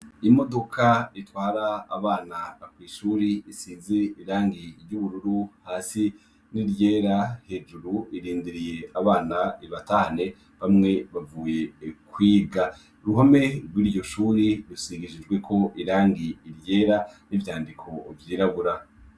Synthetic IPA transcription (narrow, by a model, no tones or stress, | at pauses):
imo̞do̞kʰaitwaːɾa̰ːβaːnaakwiːʃuːɾiːsiːnze̞iɾaːŋɡiɾjuβuɾuɾuhaːsi | niɾɟeːɾahe̞ːd͡ʒuɾuiɾiːndiɾije̞aβaːnaiβatahane̞ | βamŋe̞βavuːje̞kwiːɡa | uɾuɦame̞ɾɡwiːɾɟo̞ʃuːɾiɾusiɡid͡ʒid͡ʒɡwe̞kʰo̞ʔiɾaːŋɡiːɾje̞ːɾanivjaːndikʰo̞vjiːɾaβuɾa